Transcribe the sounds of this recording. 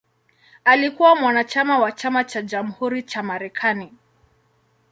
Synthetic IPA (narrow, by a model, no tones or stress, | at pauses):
alikuwamwanat͡ʃamawat͡ʃamat͡ʃad͡ʒam̩huɾit͡ʃamaɾɛkʰani